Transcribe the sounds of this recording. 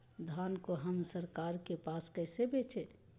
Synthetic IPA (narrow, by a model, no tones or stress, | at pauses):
d̪ʱaːnkoɦəmsəɾkaːɾkepaːskɛːsebeːt͡ʃʰeː